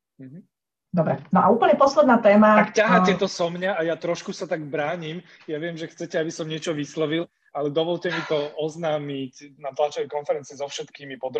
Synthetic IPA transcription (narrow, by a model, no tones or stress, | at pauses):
m̩ɦ̩ | d̪ɔbɾɛnɔʔauːpl̩ɲɛpɔslɛd̪naːt̪ɛːmaakcaɦacɛt̪ɔsɔmɲaajat̪ɾɔʃkusat̪aɡbɾaːɲim | jaʋɪɛmʒɛxt͡sɛcɛabisɔmɲɪɛt͡ʃɔʋislɔʋil | alɛd̪ɔʋɔlcɛmit̪ɔɔznaːmicnat̪lat͡ʃɛʋɛkɔnfɛɾɛnt͡siɛzɔfʃɛt̪kiːmipɔd̪ɾ